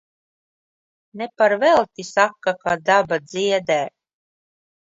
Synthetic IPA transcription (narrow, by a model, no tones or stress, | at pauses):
nɛpaɾvɛlˠt̪ʲisakːakad̪abad̪ziɛd̪ɛː